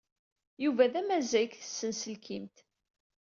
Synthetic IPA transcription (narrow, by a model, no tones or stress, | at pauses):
juvæðæmæzækθə̥sːənsəlkʰimt̪